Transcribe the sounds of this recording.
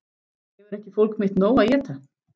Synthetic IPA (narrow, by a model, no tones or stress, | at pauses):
jɛvɛɾɛhcɪfowlkmɪht̪noːwaðjɛːt̪a